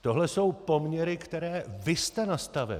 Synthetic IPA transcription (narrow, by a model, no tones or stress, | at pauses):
t̪o̞ɦlɛso̞wpo̞mɲɛɾɪkt̪ɛɾɛːvɪst̪ɛnast̪avɛ̰